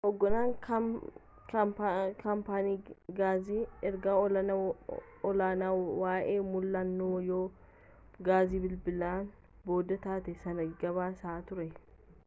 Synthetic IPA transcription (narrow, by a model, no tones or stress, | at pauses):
ʔɔɡːɔnaːŋk | kpkʰɐmpaːniːɡaːziːɛɾɡaːɔlɐ | ɔlaːnaːwaːʔeːmʊlːɐnːoːjoː | ɡaːziːbɪlbɪlaːn | bo̞ːd̪ɐt̪aːt̪ɛsɐnɐɡɐβaːsaːt̪ʊɾɛ